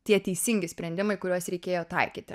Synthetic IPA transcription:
t̪ʲiɛt̪ʲɛɪsʲɪŋʲɡʲɪsʲpʲɾʲɛnʲd̪ʲɪmɐɪkʊɾʲuɔsɾʲɛɪkʲeːjoːt̪ɐ̰ɪkʲiːt̪ʲɪ

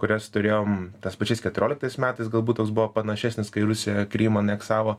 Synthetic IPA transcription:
kʊɾʲɛst̪ʊɾʲeːjoːmt̪ɐspɐt͡ʃʲɛɪskʲɛt̪ʊɾʲoːlʲɪkt̪ɐɪsmʲæːt̪ɐɪsɡɐlˠbuːt̪toːks̬bʊʋoːpɐnɐʃʲɛsʲnʲɪskɐɪɾʊsʲɪjɛkɾʲiːmɐɐnʲɛksɑːʋoː

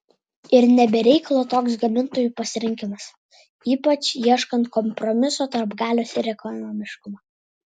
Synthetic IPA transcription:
ɪɾnʲɛbʲɛɾʲɛɪkɐlˠoːt̪oːks̬ɡɐmʲɪnt̪oːjuːpɐsʲɪɾʲɪŋʲkʲɪmɐs | iːpɐt͡ʃjiɛʃkɐnt̪̚kɔmpɾɔmʲɪsoːt̪ɐɾbɡɑːlʲoːsɪɾʲɛkɔnɔːmʲɪʃkʊmɐː

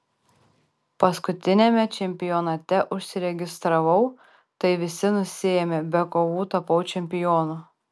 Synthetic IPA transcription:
pɐskʊt̪ʲɪnʲɛmʲɛt͡ʃʲɛmʲpʲɪjɔnɐt̪ʲɛʔʊʃʲsʲɪɾʲɛɡʲɪst̪ɾɐʋɐʊ | t̪ɐɪʋʲɪsʲɪnʊsʲɪjɛmʲɛbʲɛkoʋuːt̪ɐpɐʊt͡ʃʲɛmʲpʲɪjɔːnu

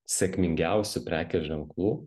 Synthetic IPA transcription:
sʲɛkʲmʲɪŋʲɡʲæˑʊsʲʊpʲɾʲæːkʲɛʒʲɛŋklˠuː

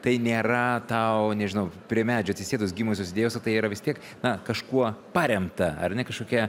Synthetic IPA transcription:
t̪ɐɪnʲeːɾɐt̪ɐʊnʲɛʒʲɪnɐʊpʲɾʲiɛmʲæːd͡ʒʲʊɐt̪ʲsʲɪsʲeːd̪ʊs̬ɡʲiːmoːsʲoːs̬ʲɪdʲeːjɛʊsot̪ɐɪiːɾɐʋʲɪst̪ʲiɛk | nɐkɐʃkuɔpɑːɾʲɛmt̪ɐɐ̰rnʲɛkɐʃkoːkʲɛ

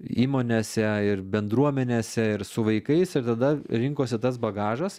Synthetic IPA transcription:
iːmoːnʲeːsʲɛɪrbʲɛnd̪ɾuɔmʲɛnʲeːsʲɛɪɾsʊʋɐɪkɐɪsɪɾt̪ɐd̪ɐɾʲɪŋkoːsʲɪt̪ɐsbɐɡɑːʒɐs

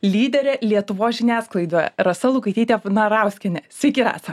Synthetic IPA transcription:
lʲiːd̪ʲɛɾʲɛlʲiɛt̪ʊʋoːsʒʲɪnʲæːsklˠɐɪd̪oːjɛ̰ɾɐsɐlˠʊkɐɪt̪ʲiːt̪ʲɛnɐɾɑʊsʲkʲɛnʲɛsʲɪkʲɪɾɑ̰ːsɐ

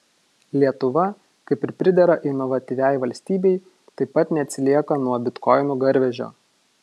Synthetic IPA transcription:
lʲiɛt̪ʊʋɐ | kɐɪpɪɾpʲɾʲɪd̪ʲɛɾɐʔɪnɔʋɐt̪ʲiʋʲæˑjʋɐlʲsʲt̪ʲiːbʲɛɪ | t̪ɐɪpːɐt̪nʲɛt̪ʲsʲɪlʲiɛkɐnuɔbʲɪt̪kɔɪnuːɡɐɾʲʋʲɛʒʲo̰ː

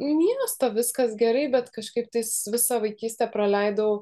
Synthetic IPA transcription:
mʲiɛst̪ɐʋʲɪskɐsɡʲɛɾɐɪbʲɛt̪kɐʃkɐɪp̚t̪ɐɪsʋʲɪsɑʋɐɪkʲiːsʲt̪ʲɛpɾɐlʲɛɪd̪ow

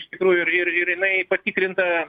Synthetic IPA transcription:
ɪʃt̪ʲɪkɾuːjʊɪrɪrɪɾjɪnɐɪpɐt̪ʲiːkɾʲɪnt̪ɐ

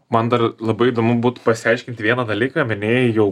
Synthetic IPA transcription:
mɐnd̪ɐrlˠɐbɐɪid̪oːmʊbuːt̪pɐsʲɪɐɪʃʲkʲɪnt̪ʲɪʋʲiɛnɐd̪ɐlʲiːkɐmʲɪnʲeːjɛjɛʊ

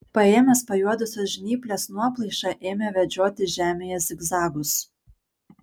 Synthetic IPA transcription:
pɐeːmʲɛspɐjuɔd̪ʊsʲoːsʒʲɪnʲiːpʲlʲɛsnuɔplˠɐɪʃɑʔeːmʲɛʋʲɛd͡ʒʲoːt̪ʲɪʒʲæːmʲejɛsɪɡzɑːɡʊs

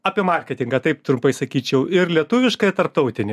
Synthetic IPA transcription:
ɑːpʲiɛmɐrʲkʲɛt̪ʲɪŋɡɐt̪ɐɪp̚t̪ɾʊmpɐɪsɐkʲiːt͡ʃʲɛʊɪɾlʲiɛt̪ʊʋʲɪʃkɐɪt̪ɐɾp̚t̪ɐʊt̪ʲɪnʲɪ

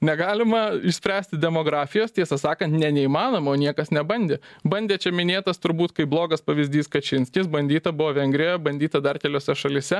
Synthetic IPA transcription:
nʲɛɡɑːlʲɪmɐɪʃsʲpʲɾʲæːsʲt̪ʲɪd̪ʲɛmoːɡɾɑːfʲɪjoːst̪ʲiɛsɐsɑːkɐnt̪nʲɛnʲɛiːmɑːnoːmɐoːnʲiɛkɐsnʲɛbɐnʲd̪ʲeːbɐnʲdʲeːt͡ʃʲɛmʲɪnʲeːt̪ɐst̪ʊɾbuːt̪kɐɪblˠoːɡɐspɐʋʲɪzʲd̪ʲiːskɐt͡ʃʲɪnʲsʲkʲɪsbɐnʲd̪ʲiːt̪ɐbʊʋoːʋʲɛŋʲɡɾʲɪjɛbɐnʲd̪ʲiːt̪ɐd̪ɐrkʲɛlʲoːsʲɛʃɐlʲɪsʲɛ

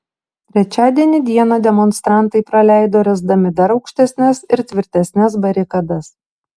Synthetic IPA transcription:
t̪ʲɾʲɛt͡ʃʲæːd̪ʲiɛnʲɪd̪ʲiɛnɐd̪ʲɛmɔnst̪ɾɑˑnt̪ɐɪpɾɐlʲæˑɪd̪oːɾʲɛzd̪ɐmʲɪd̪ɐɾɒʊkʃʲt̪ʲɛsʲnʲɛsɪɾt̪ʲʋʲɪɾʲt̪ʲɛsʲnʲɛs̬bɐɾʲɪkɐd̪ɐs

